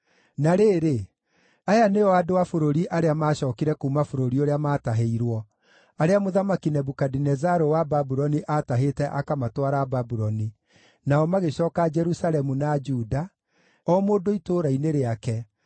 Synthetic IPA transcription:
naɾeːɾe | ajaneɔadoafoɾoɾiʔaɾeamaːɕɔːkiɾɛkuːmafoɾoɾioɾeamaːtaɦeiɾwɔ | aɾeamoðamakinɛbukadinɛzaɾowababuɾɔniʔataɦetɛʔakamatwaɾababuɾɔni | naɔmaɣeɕɔːkad͡ʒɛɾusalɛmunad͡ʒuda | ɔmoːndoitoːɾaineɾeakɛ

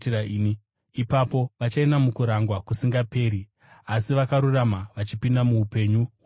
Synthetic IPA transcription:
iɾaini | ipapo̞ʋat͡ʃainamukuɾaŋɡwakusiŋɡape̞ːɾi | asiʋakaɾuramaʋat͡ʃipindamuːpe̞ɲu

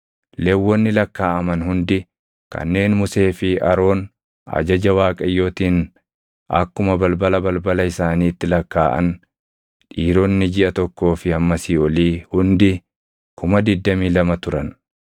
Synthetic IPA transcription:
lewːɔnːɪlɐkːaːʔɐmɐnhʊnd̪ɪ | kɐ̰nːe̞ːnmʊse̞ːfɪɐɾo̞ːn | ɐ̰d͡ʒɐd͡ʒɐwaːkʼɐjːo̞ːt̪iːn | ʔɐ̰kːʊmɐbɐlbɐlɐbɐlbɐlɐɪsaːniːt̪ːɪlɐkːaːʔɐ̰n | ᶑiːɾonːɪd͡ʒɪʔɐt̪ɔkːo̞ːfɪɐmːɐsiːɔliːhʊnd̪ɪ | kʊmɐd̪ɪd̪ːɐmiːlɐmɐt̪ʊɾɐn

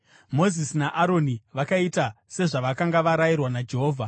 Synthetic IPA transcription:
mo̞zisinaʔaɾo̞niʋakaita | se̞ʐaʋakaŋɡaʋaɾajirwanad͡ʒe̞ɦoːvʱa

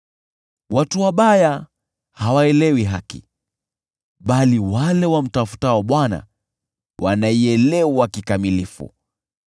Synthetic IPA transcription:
watuwaɓaja | hawaɛlɛwiɦakḭ | ɓaliwalɛwam̩tafu̥taɔɓwana̰ | wʔa̰naiɛlɛwakikamilifṵ

